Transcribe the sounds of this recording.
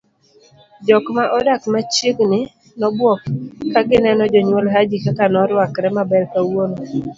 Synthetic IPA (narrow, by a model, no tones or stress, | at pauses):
d͡ʒɔkmaʔɔdakmat͡ʃiɡnɪ | nɔbwɔkːaɡɪnɛnɔd͡ʒɔɲwɔlɦad͡ʒikakanɔɾwakɾɛmabɛlkawono